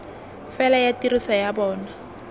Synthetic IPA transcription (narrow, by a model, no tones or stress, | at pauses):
fɛlajatiɾisajabɔːna